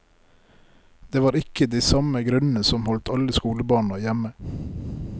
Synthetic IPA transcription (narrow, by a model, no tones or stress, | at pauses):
d̪eːʋɑːɾɪkəd̪iːsɑməɡɾʉnn̩əsɔmhɔlt̪ʰɑləskuːləbɑːɳɑjæmə